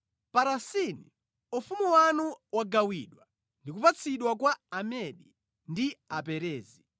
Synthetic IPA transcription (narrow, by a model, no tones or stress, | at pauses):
paɾasinḭ | ufumuwanuwaɡawiɗwa | ndik̬upat͡sʰiɗwakwaamɛɗi | ndiapɛɾɛːzi